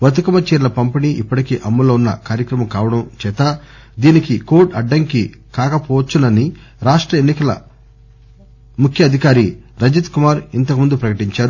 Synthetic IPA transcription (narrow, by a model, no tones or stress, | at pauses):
ʋɐt̪ukɐmɐt͡ʃɛːɾlɐpɐmpiniːʔipːɐʈikiːʔɐmːuloːunːɐ̰kaːɾjɐkɾɐmɐmkaːʋɐɽɐmt͡ʃɛːt̪a | d̪iːnikikoːʈɐɖːɐŋkikaːkɐpɔːʋɐt͡ʃːunɐni | ɾaːʂʈɾɐenːikɐlɐ̰ | mukʰjɐɐd̪ʱikaːɾiɾɐd͡ʒit̪kumaːɾint̪ɐkɐmund̪upɾɐkɐʈiɲt͡ʃaːɾu